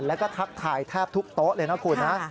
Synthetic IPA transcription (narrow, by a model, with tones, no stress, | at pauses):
lɛː˦˥wkɔː˥˩t̪ʰa˦˥k̚t̪ʰaː˨˩˦jt̪ʰaː˥˩p̚t̪ʰu˦˥k̚t̪o˦˥ʔlɤː˧na˦˥kʰuː˧˩nna˦˥